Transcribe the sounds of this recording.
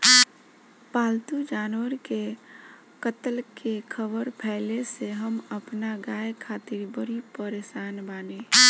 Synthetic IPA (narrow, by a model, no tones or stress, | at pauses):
paːlt̪ud͡ʒaːnwəɾke | kət̪əlkekʰəbəɾpʰɛɪleseɦəməpnaɡaːjkʰaːt̪ɪɾbəɾipəɾeːsaːnbaːne